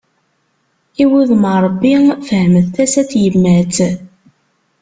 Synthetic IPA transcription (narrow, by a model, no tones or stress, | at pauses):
iwuðməɾˤəbːifəhməðθæsæt͡sjəmːæt͡s